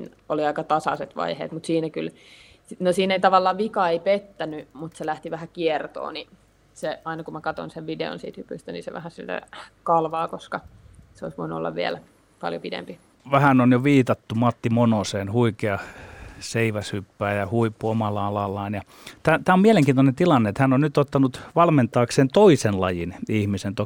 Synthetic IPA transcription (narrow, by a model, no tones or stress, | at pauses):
nḭn | oliɑikɑt̪ɑsɑ̰set̪ʋɑ̰ihḛːt̪mut̪siːnækyl | nosiːneit̪ɑʋɑlːɑːʋikɑeipet̪ːænymut̪selæht̪iʋæhækiert̪o̰ːni | seɑinɑkumækɑt̪o̰nseʋʋidḛo̰nsḭːt̪hypyst̪ænḭsḛʋæ̰hæsilːæ̰kɑlʋɑːkoskɑseoisʋoinuo̰lːɑ̰ʋʋiæl | pɑ̰ljo̰pidḛmpi | ʋæhænonjoʋiːt̪ɑt̪ːumɑt̪ːimonoseːnhuikeɑseiʋæshypːæːjɑhuipːuomɑlːɑɑlɑlːɑːnjɑ | t̪æt̪æːomieleŋkiːnt̪onent̪ilɑnːeet̪hænːonnyt̪ot̪ːɑnut̪ʋɑlment̪ˑɑːkseːnt̪oisenlɑjinihmisent̪o